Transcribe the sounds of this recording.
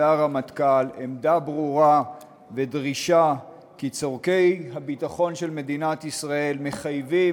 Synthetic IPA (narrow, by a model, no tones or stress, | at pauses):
aʁamat̪kalemd̪abʁuʁa | ve̞dʁiʃa | kit͡soʁke̞jhabitaχo̞nʃe̞lme̞dinat̪isʁae̞lme̞χajvi